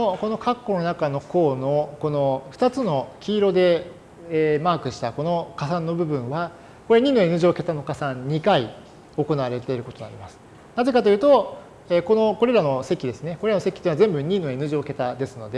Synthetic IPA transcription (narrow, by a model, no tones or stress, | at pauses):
oko̞no̞kʰakːo̞no̞nakano̞ko̞ːno̞ko̞no̞ɸɯ̟̥t̪at͡sɨno̞kʲiːɾo̞d̪e̞ː | maːkɯ̟ɕi̥t̪ako̞no̞kas̬ãnːo̞bɯ̟bɯ̟̃ɰ̃βa | ko̞ɾeɲ̟iːno̞enɯ̟ʑoke̞t̪ano̞kasãɲɲikai | o̞ko̞naβaɾe̞t̪e̞iɾɯ̟ko̞t̪o̞naɾʲimasɨ̥ | naze̞kat̪ojɯt̪o̞ | eːko̞no̞ko̞ɾe̞ɾano̞se̞kʲid̪e̞sɨne̞ko̞ɾeanose̞kʲit̪ẽːazẽ̞mbɯ̟ɲ̟iːno̞enɯ̟ʑioke̞t̪ad̪e̞sɨno̞d̪e̞